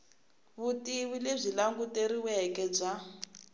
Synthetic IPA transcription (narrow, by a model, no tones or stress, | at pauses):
βutiwilezʷilaŋɡuteɾiwɛkɛb͡ʐa